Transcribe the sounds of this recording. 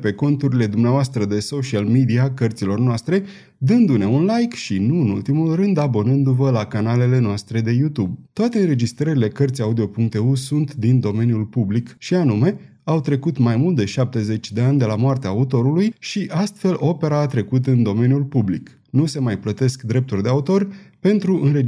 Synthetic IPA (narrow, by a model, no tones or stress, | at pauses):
pe̞ko̞nt̪uɾile̞d̪umneavoast̪ɾəd̪e̞so̞ʃialmid̪iakərt̪silo̞rnoast̪ɾe̞ | d̪ɨnd̪une̞unlajkʃinuɨnṵlt̪imulrɨnd̪abo̞nɨnd̪uvəlakanale̞le̞noast̪ɾe̞d̪e̞jut̪ubt̪oat̪e̞ɨnɾe̞d͡ʒist̪ɾəɾile̞kərt̪sʲaud̪io̞puŋk̚t̪eusunt̪d̪ind̪o̞me̞njulpublikʃianume̞ | awt̪ɾe̞kut̪majmult̪̚d̪e̞ʃap̚t̪e̞ze̞t͡ʃʲd̪e̞anʲd̪e̞lamoart̪eaːut̪o̞ɾulujʃiʔast̪fe̞lʔo̞pe̞ɾaːt̪ɾe̞kut̪ɨnd̪o̞me̞njulpublḭk | nuse̞majplət̪e̞skd̪ɾe̞p̚t̪urʲd̪eaut̪o̞rpe̞nt̪ɾuʔɨnɾe